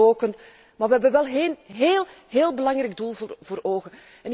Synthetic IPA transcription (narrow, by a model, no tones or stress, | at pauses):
oːkənt | maːrʋɛɦɛbəʋɛlˠɦenɦeːlˠ | ɦeːlˠbəlɑŋrɛɡ̚dulˠvvoːɾoːɣə | ɛnɪ